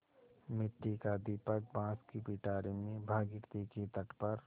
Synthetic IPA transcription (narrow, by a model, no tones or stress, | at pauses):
mɪʈːikad̪iːpək̚bãːskipiːʈaːɾimẽbʱaːɡɪʈt̪eket̪ɐʈpəɾ